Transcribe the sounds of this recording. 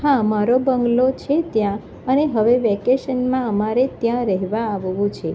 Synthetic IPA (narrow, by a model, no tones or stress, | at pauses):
ɦãəmaɾobəŋɡlot͡ʃʰet̪jã | əneɦəʋeʋɛkeʃənmãəmaɾet̪jãɾɛɦʋaːʋʋũt͡ʃʰe